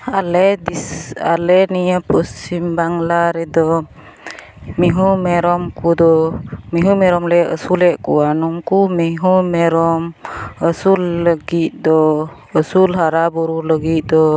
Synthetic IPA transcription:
alɛdia̰lɛniəpusimbaŋlaɾɛd̪ɔ | miɦumɛɾɔmkud̪ɔmiɦumɛɾɔmlɛə̰sulɛʔkṵanɔmkumiɦumɛɾɔməsulːəɡiʔd̪ɔ | əsulɦaɾabuɾuləɡiʔd̪ɔ

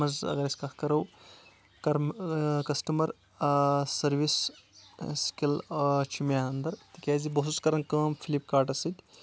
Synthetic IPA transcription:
mɐzɐ̰ɡɐɾɐsʲkɐt̪ʰkɐɾɐw | kɐɾmkɐsʈɐmɐɾ | sɐɾʋis | skʲilt͡ʃʰimaɐnd̪ɐɾt̪ikʲaːzibɐɦsuskɐɾɐnkɐːmpʰilip̚kaːʈɐsɨt̪ʲ

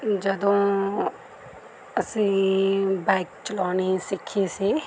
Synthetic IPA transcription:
d͡ʒəd̪õː | əsĩːbɛːk̚t͡ʃəlɔːniːsɪkʰːiːsiː

